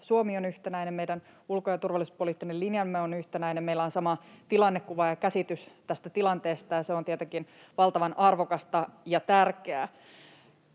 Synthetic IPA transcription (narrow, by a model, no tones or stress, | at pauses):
suomionyht̪enæinemmejdæn | ulkojɑt̪urʋɑlːˑisu̥spoliːt̪ːinelinjɑmːeonyht̪enæjnemmeilːæonsɑmɑt̪ilɑnːekːuʋɑjɑkæsit̪yst̪æst̪æt̪ilɑnt̪e̞ːst̪ɑjɑseont̪iet̪eŋkin | ʋɑlt̪ɑʋɑnɑrʋokɑst̪ɑjɑt̪ærkeæ